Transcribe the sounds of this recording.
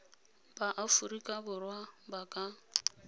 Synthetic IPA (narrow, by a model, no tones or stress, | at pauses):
b̥aʔafurikʼabʊrwabakʼa